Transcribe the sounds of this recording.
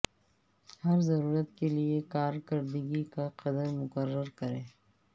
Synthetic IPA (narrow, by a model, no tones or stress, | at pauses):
hɐɾzɐɾuːɾət̪̚keliekaːɾkɐɾd̪əɡikaqɐd̪əɾmʊkəɾːəɾkɐɾẽː